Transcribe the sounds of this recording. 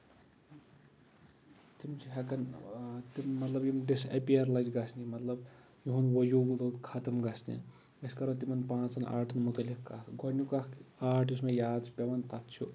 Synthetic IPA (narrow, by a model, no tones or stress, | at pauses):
t̪imt͡ʃʰiɦɐkɐnt̪immɐt̪lɐbjimɖisḛpiaɾlɐd͡ʒɡɐsʰnimɐt̪lɐb | juɦunʋɐjuːɡlot̪kʰɐt̪ɐmɡɐsʰnḭ | ɐskɐɾɐt̪imɐnpãːt͡sɐna̰ːɾʈʰɐnmut̪ɐlikkat̪ɡʱonjukakaːɾʈismejaːd̪t͡ʃʰupʲɐʋɐnt̪ɐt̪t͡ʃʰu